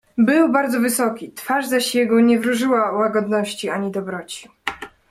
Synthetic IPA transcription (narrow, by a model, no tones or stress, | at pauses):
bɘwbaɾd̪zɔvɘsɔkʲit̪faʐzaɕjɛɡɔɲɛvɾuʐɘwawaɡɔd̪nɔɕt͡ɕiaɲid̪ɔbɾɔt͡ɕi̥